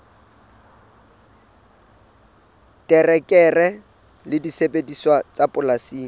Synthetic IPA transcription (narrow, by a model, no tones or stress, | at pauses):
tʼɛrɛkʼɛrɛ | lɪdisepʼediswat͡sapʼʊlasiːŋ̩